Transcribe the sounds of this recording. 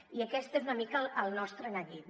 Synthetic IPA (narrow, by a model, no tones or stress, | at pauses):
iəkɛst̪ezunəmikələlˠnɔst̪ɾənəʎit̪